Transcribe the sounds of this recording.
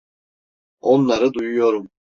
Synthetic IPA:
onlˠaɾɯd̪ujujo̞ɾum

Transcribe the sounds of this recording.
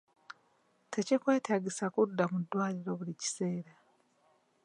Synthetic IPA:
tʰe̞cikwe̞ːtʰaːɟisakudːamudːwaːliɾo̞βulici̥se̞ːɾa

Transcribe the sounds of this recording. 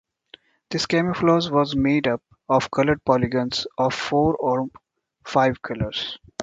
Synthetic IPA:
d̪̥ɪskɛmɪflɔːzʋɔːzmeːɖʌp̚ | ɔːʋkʌləɾɖ̚pɔːlɪɡə̃nsɔːʋfoːɾɔːɾ | faɪʋkʰʌləɾz̥

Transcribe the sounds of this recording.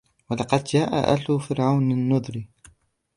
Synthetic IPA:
walɑqɑd̪d͡ʒaːʔa̰ʔa̰lʊfɪɾʕawnɪnːʊd̪ˤɾi

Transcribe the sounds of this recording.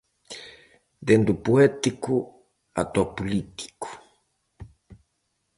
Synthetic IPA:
d̪end̪upuɛt̪iku | a̰t̪ɔpulit̪i̥ku̥

